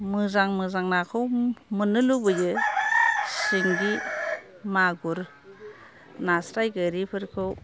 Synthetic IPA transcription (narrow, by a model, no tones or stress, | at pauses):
mɯzaŋmɯzaŋnakʰɯwmɯnɯlubɯjɯ | siŋɡi | maɡuɾ | nasɾajɡɯɾipʰɯɾkʰɯw